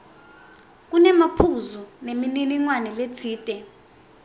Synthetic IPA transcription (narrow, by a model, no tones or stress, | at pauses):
k̬ʼunɛmapʰuzunemininiŋwanɛlet͡sʰiːtʼɛ